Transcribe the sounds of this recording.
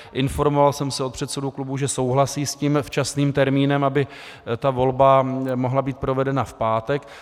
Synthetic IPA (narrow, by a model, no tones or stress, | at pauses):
ʔɪnfo̞ɾmo̞valsɛmsɪt̪̚pr̝̥ɛt̪sɛduklubuʒɛso̞wɦlasiːsciːmft͡ʃasniːmt̪ɛɾmiːnɛmabɪ | t̪avo̞lbamo̞ɦlabiːt̪̚pɾo̞vɛdɛnafpaːt̪ɛk